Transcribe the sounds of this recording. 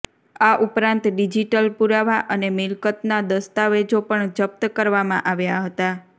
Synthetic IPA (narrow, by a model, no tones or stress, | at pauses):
aʔupɾãnt̪ɖid͡ʒiʈəlpuɾaʋaʔənemɪlkət̪nad̪əst̪aʋed͡ʒopəɳd͡ʒəp̚t̪əkəɾʋamãʔaʋjaɦət̪a